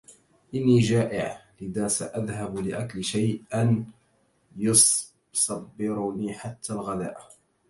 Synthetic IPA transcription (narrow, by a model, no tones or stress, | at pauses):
ʔɪnːiːd͡ʒaːʔɪʕlɪðaːsa̰ʔaðɦablɪʔaklʃajʔan | jʊsˤ | sˤɑbːɪɾniːħat̪ʰːaːlɣala̰ːʔ